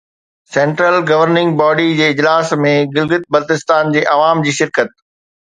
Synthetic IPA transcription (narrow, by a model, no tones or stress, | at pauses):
sɛ̃ːɳʈɾəlɡɐʋəɾnɪ̃ŋɡ̚bɔːɖid͡ʑeːɪd͡ʑlaːsmẽɡɪlɡɪt̪̚bɐlt̪ɪst̪aːnd͡ʑeːʔɐʋaːmd͡ʑiːʃɪɾkət̪̚